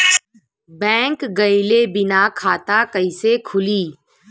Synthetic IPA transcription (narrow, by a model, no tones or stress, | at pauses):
bɛ̃ːŋkɡɐɪlebɪnakʰaːt̪akɐisekʰʊliː